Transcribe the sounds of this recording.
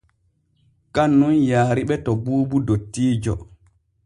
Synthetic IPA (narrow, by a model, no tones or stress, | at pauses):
kanːunjaːɾiɓɛtɔbuːbudotːiːd͡ʒɔ̰